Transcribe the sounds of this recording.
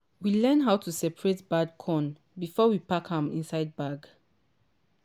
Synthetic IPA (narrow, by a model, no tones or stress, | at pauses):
wilɛ̃nɦaʊtʰusɛpəɹetbad̚kʰɔ̃n | bifɔwipakhãmḭ̃nsaɪd̚baɡ